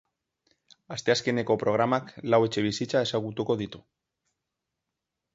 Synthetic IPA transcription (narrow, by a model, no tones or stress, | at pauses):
ast̪easkenekopɾoɣ̞ɾamaklawet͡ʃeβisit͡ʃaesaɣut̪ukoðit̪u